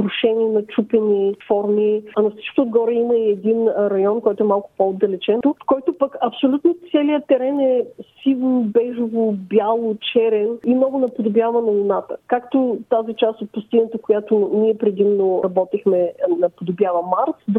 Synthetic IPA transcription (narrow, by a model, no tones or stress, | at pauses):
ɾʊʃɛniɛnɐt͡ʃupɛnifɔɾmiɐnɐfsi̥t͡ʃkt̪od̪ɡɔɾəiməiɛd̪inɾɐjɔnkɔjt̪ʊɛmalˠkʊ̥pood̪ɐlɛt͡ʃɛnt̪ʊkɔjt̪ʊpəkɐpsolʲut̪not̪sɛliət̪ɛɾɛnɛsilˠnbɛʒʊvʊbʲjalˠʊt͡ʃɛɾɛnimnɔɡʊnɐpod̪ʊbjavənɐʊnat̪ə̰kakt̪ʊt̪azit͡ʃast̪ot̪̚pʊst̪inət̪əkojat̪ʊniɛpɾɛd̪imnʊɾɐbɔt̪ixmɛnɐpod̪ʊbjavɐmaɾsd̪